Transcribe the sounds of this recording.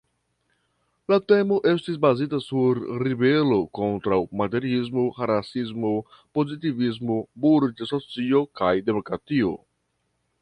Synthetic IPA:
late̞mo̞ʔe̞stis̬bazitasuɾːibe̞lo̞ko̞ntɾawmate̞ɾizmo̞xaɾasizmopo̞zitivizmo̞buɾd͡ʒaso̞t͡sio̞kajde̞mo̞kɾatio̞̰

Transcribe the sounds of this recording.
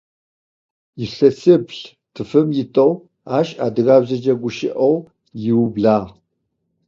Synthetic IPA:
jɪɬɐsɨbɬ | tʰɨfɨmjɪtʼɐw | aːɕʼaːdɨɣaːbzɐd͡ʒɐɡʷʊʃɪ̰ʔɐw | jɪwbɮaːʁ

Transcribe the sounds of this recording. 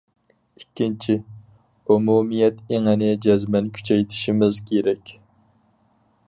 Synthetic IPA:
ikʲːint͡ʃʰi | umumijɛt̪eŋɛnɪd͡ʒɛzmɛnkʲʰy̥t͡ʃʰɛjt̪ʰɪ̥ʃimɪzkʲʰeɾɛkʲ

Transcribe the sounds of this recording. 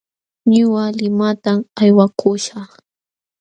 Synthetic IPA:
ɲʊwalɪmat̪amajwakʰʊʃɑχ

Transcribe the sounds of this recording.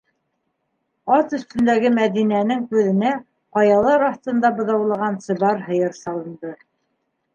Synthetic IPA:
ɑt̪ɵ̆st̪ɵ̆nd̪æɡɘmæðinænɘŋkʉðɘ̆næ | qɑjɑlˠɑɾɑθt̪ɤ̆nd̪ɑbɤ̆ðɑwlˠɑ̆ʁɑnt̪sɤ̆βɑɾɦɤ̆jɤɾsɑlˠɤ̆nd̪ɤ

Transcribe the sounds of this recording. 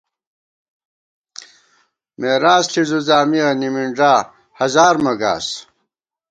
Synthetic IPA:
meːɾaːsɬʰizuzaːmiɐnimiɳɖ͡ʐaː | hɐzaːɾmɐɡa̰ːs

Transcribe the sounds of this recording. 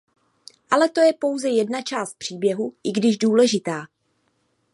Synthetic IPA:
ʔalɛt̪o̞jɛpo̞wzɛjɛdnat͡ʃaːst̪̚pr̝̥iːbjɛɦuʔɪɡdɪʒduːlɛʒɪt̪aː

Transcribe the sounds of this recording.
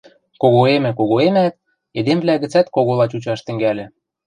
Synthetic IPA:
koɣoemɘ̆koɣoemæt̪̚ | ed̪emvlæɣɘ̆t͡sæt̪koɣolɑt͡ɕut͡ɕɑʃt̪ɘ̆ŋɡælʲɘ̆

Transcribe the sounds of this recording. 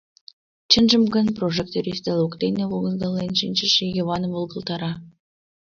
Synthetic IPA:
t͡ɕənʒə̆mɡə̆nproʒekt̪oɾʲist̪elokt̪eneβoɡəzɡ̪ɑlːenʃinʲt͡ɕəʃejoβɑnəmvolˠɡə̆lˠt̪ɑɾɑ

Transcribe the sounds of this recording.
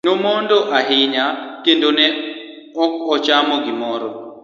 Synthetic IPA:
nomɔndɔʔaɦɪɲakendonɛ | ɔkɔt͡ʃamɔɡɪmɔɾɔ

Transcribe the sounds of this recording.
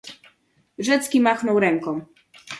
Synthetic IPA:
ʐɛt̪skʲimaxnɔwɾɛŋkɔ̃

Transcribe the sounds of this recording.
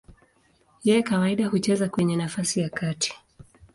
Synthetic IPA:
jɛjɛkawaiɗahut͡ʃɛzakwɛɲɛnafasijakatʰi̥

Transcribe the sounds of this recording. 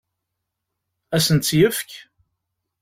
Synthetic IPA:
æsənt̪sjəfk

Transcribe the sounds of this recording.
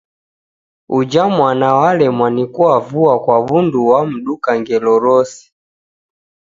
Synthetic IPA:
ud͡ʒamwanawalɛmwanikuwavuakwaβunduwam̩ɗukaŋɡɛlɔɾɔsi̥

